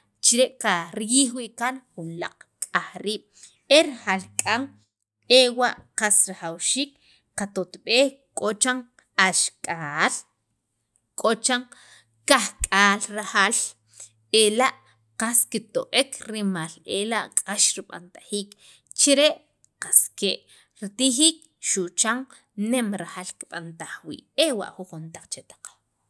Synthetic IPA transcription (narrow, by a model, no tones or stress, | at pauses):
t͡ʃiɾeʔqaɾjiːχwiːʔkanχunla̰qʼkʼaχɾiːɓ̥ | eɾaxalkʼaŋ | ewaʔqasɾaχawʃiːk | qat̪ot̪ɓeːhkʼot͡ʃaŋ | aʃkʼaːl | kʼot͡ʃaŋ | kaχkʼaːlɾahal | elaʔ | qaskit̪oʔekʰɾimaːlelaʔqʼaʃɾiɓa̰nt̪ḁχiːk | t͡ʃiɾeʔ | qaskeʔ | ɾit̪iχiːk̚ | ʃuʔt͡ʃaŋ | nemɾaxaːlkiɓant̪aχwḭːʔewa̰ʔχuχunt̪aq͡χt͡ʃet̪ḁq͡χ